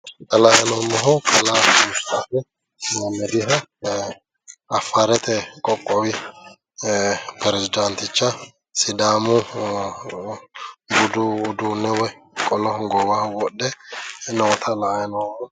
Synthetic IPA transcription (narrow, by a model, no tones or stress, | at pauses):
t̪ɐlajɐnɔmːɔɦɔkʰɐlaʊst̪aːtɛ | mɐmːɛd̪ɪɦɐ | ɐfːaːɾɛt̪ʰɛkʼɔkʼːɔwɪ | pɛɾɛzɪd̪ɐnt̪ɪt͡ʃːɐ | sɪd̪aːmʊ | ɡʊd̪uːd̪uːnːɛwɔj | kʼɔlɔhɡɔbahwɔɗːɛnɔwɔt̪ʰɐlaʔjɐnɔm